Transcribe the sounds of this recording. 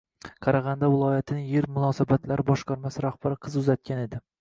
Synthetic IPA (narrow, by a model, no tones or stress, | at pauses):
qʰɑɾɑʁɑnd̪avɪlˠɒjat̪ʰɪnɪjeɾmʊnɒsabat̪ʰlaɾɪbɒʃqɑɾmasɪɾahb̥aɾɪqʰɨzʊzat̪̚kʲane̞d̪ɪ